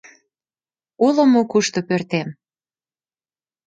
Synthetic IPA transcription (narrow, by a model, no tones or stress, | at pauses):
uləmokuʃt̪opørt̪em